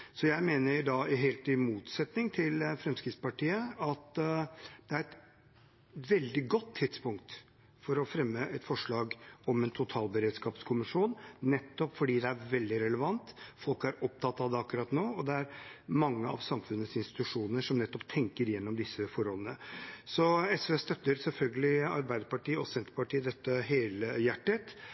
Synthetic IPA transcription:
sɔjæɪmeːnəɾɖɑɪɦɛːlt̪ɪmuːt̪sɛt̪nɪŋt̪ʰɪlfɾɛmskɾɪt̪spɑʈʰiːəɑt̪ | d̪̥ɛæɾɛt̪ | ʋɛld̪ɪɡɔt̪ʰːɪt̪spʊŋkt̪ | fɔɾɔfɾɛmːəʔɛt̪fɔʂɭɑːɡɔmɛnt̪ʰʊt̪ʰɑːlbəɾeːd̪skɑːpskʰʊmɪʂuːnːɛt̪ːɔpfɔɖiːd̪ɛæɾʋɛld̪ɪɾɛləʋɑnt̪fɔlkæɾɔp̚t̪ʰɑt̪ːɑːʋd̪ɛɑkːʉɾɑt̪noːɔd̪ɛæɾmɑŋːəɑ̰ʋsɑmfʉnːət̪sɪnst̪ɪ̥t̪ʉʂuːnnəʂɔmnɛt̪ːɔpt̪ʰɛŋkəɾjɛnːɔmd̪ɪsːəfɔɾɔlənəsɔɛsɛst̪œt̪ːəɾsɛlfœlɡəlɪɑ̰ɾbæɪd̪əɾpɑʈiːɔsɛnt̪əpɑʈiːd̪ɛt̪ːəɦeːləjæʈːət̪

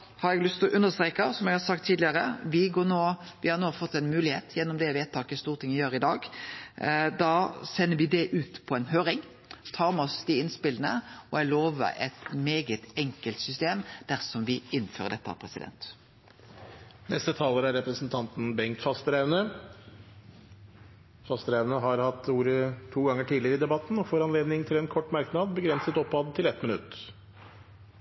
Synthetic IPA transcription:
hɑɾɛɡlʏst̪ɔʔʉnːəst̪ɾeːkɑsɔmɛɡhɑɾsɑk̚t̪ʰːiːd̪lɪəɾəʋɪɡoːɾnoːʋɪhɑɾnoːfɔt̪ːɛnmʉːlɪheːt̪ʰjɛnːɔmd̪ɛʋeːt̪ʰːɑːkəst̪uːʁt̪ɪŋːəjøːɾəɪd̪ɑːɡ | d̪ɑːsɛnːəʋɪd̪ɛʔʉːt̪pʰɔɛnɦøːɾɪŋ | t̪ʰɑːʁmɔsd̪ɪɪnspɪlənə̰ɔæloːʋə̰ɾɛ̰t̪meːɡət̪ɛŋkəlt̪sʏst̪eːmd̪̥æʁsɔmʋɪɪnːføːʁəd̪ɛt̪ːəɑ̰pʰʁɛsɪd̪ɛ̰nt̪ | nɛst̪ət̪ʰɑːləɾæɾːɛpɾəsn̩t̪ʰɑnt̪n̩bɛŋt̪fɑst̪əɾænə | fɑst̪əɾæʋnəɦɑɾhɑt̪ːuːɾət̪ʰuːɡɑŋːəʈʰiːdlɪəɾəɪd̪ɛbɑt̪n̩ɔfoːɾɑnleːd̪nɪŋt̪ʰɪlɛnkʰɔʈːmɑɾknɑːd̪̚bəɡɾɛnsət̪ɔpːɑːd̪ət̪ʰɪlɛt̪mɪnʉt̪ː

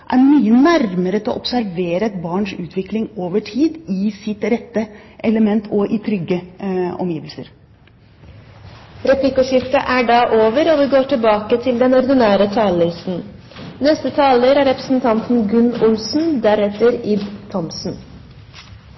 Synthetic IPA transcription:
ʔæɾmyːənæɾməɾət̪ʰɪɔʔɔpsæɾʋeːɾəɛt̪bɑːɳʂʉːt̪ʰʋɪklɪŋoːʋəʈʰiːd̪ɪsɪt̪ɾɛt̪ːəʔɛləmɛnt̪ʰɔʔɪt̪ʰɾʏɡːəɔ̰mjiːʋəlsəɾ | ɾɛplɪkːʊʃʏft̪əʔæɖɑːʔoːʋəɾɔʋɪɡoːʈʰɪlbɑːkət̪ʰɪld̪ɛnɔɾd̪ɪnæːɾət̪ʰɑːləɪst̪n̩ | nɛst̪ət̪ʰɑːləɾæɾɛpɾə̥sn̩t̪ʰɑnt̪n̩ɡʉnːʊlsn̩d̪æɾɛt̪əɾɪd̪t̪ʰɔmsn̩

